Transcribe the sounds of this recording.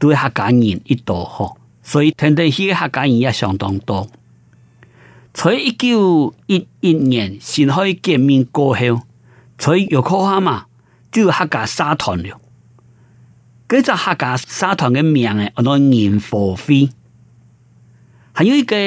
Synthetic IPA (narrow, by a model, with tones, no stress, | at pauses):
t̪u˧˦e˦ha˧ka˨˦ŋḭ˨ni˦˧t̪ɔ˨hɔ˧˩ | sɔ˦i˦t̪ʰɛ˧nt̪̬e˧˨hi˦ke˦ha˥˧ka˨˦ɲĩ˨˩ja˦˧ɕjɔ̰˨˩ŋt̪ɔ̰˨ŋt̪ɔ˧˩ | t͡sʰo˨˦ji˦ku˥˦˨i˧t̚i˧t̚ɲɛ˨nɕi˨˩nɦɔ˦i˦kjɛ˧˨mːĩ˧nko˧he˧w | t͡sʰo˨˦jo˨˩kʰɔ˦ha˦ma˨ | tju˦˧˨ha˥˧ka˨sa˦t̪ʰɔ˨˩nljo˨ | ke˦t͡sa˥˧˨ha˥˧ka˨˦sa˦t̪ʰɔ˨nke˦mj̃ã˨˩ŋe˨ʔɔ˨nɔ̃˧˦ŋĩ˨˩nfɔ˨˩fi˦ | ha˨ɲjũ˦i˦˧ke˦